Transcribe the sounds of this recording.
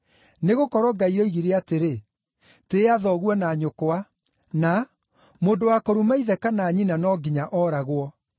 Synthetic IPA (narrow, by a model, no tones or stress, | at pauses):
neɣokɔɾɔɡaiɔiɣiɾeateɾe | teaðɔɣwɔnaːɲokoa | na | moːndowakoɾumaiðɛkanaːɲinanɔɡiɲaʔɔːɾaɣwɔ